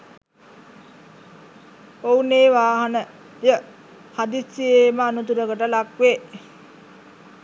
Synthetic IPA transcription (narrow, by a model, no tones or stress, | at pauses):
ouneːʋaːɦanə | jə | had̪isːieməanut̪̬uɾəɡəʈəlakʋe